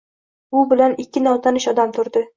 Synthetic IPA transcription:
ʊbɪlanɪkʲːɪnawt̪ʰanɪʃɒd̪amt̪ʰʊɾd̪ɪ

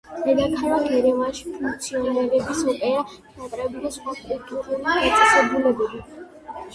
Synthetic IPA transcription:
d̪ɛd̪akʰaɾaɡɛɾɛmaʃi̥pʰuŋk̚ʰʼt̪sʰiɔnɛɾɛbisɔpʼɛɾa | nat̪ʼɾɛbid̪asχwakʼulˠt̪ʼuɾumaat̪ʼḁsɛbulɛbɛbi

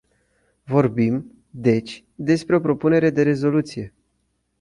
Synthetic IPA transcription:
vo̞rbim | d̪e̞t͡ʃʲ | d̪e̞spɾe̞o̞pɾo̞pune̞ɾe̞d̪e̞ɾe̞zo̞lut̪sije̞

